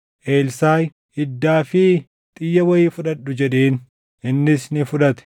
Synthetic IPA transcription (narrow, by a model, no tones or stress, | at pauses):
ʔe̞ːlsaːj | ɪd̪ːaːfɪ | t̪ʼɪjːɐwɐjɪːfʊᶑɐᶑːʊd͡ʒɛᶑeːn | ɪnːɪsnɪfʊᶑɐt̪ɛ̥